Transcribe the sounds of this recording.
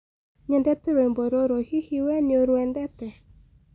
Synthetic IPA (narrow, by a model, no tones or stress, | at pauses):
ɲɛndɛtɛɾwemboɾoɾohihiwɛnoɾwɛndɛtɛ